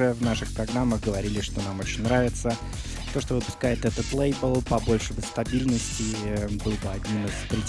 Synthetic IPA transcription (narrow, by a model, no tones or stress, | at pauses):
ɛvnaʂɨxpɾɐɡɾamːəxɡəvɐɾʲilʲɪʂt̪o̞namot͡ɕɪnʲnɾavʲɪt̪sə | t̪o̞ʂt̪o̞vɨpʊ̥skajɪt̪ɛt̪ət̪lˠejbəlˠpɐbo̞lʲʂɨbəst̪ɐbʲilʲnəsʲtʲɪbɨlˠbɨɐdʲnʲinɨspɾʲɪ